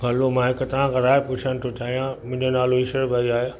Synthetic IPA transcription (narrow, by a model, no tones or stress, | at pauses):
bʱɐlomãɦɪkt̪ɐʋ̤ãkʰãːɾaːepʊt͡ʃʰəñt̪ʰot͡ɕaːɦijãmʊ̃ɦɪ̃ɲd͡ʑənaːloɪsəɽbʱɐiaːɦj